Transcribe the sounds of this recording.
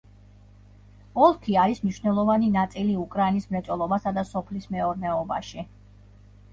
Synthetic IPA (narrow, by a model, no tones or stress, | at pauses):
ɔlˠkʰiaɾismniʃnɛlˠɔvaninat̪sʼiliukʼɾainismɾɛt̪sʼɔlˠɔbasad̪asɔpʰlismɛɔɾnɛɔbaʃi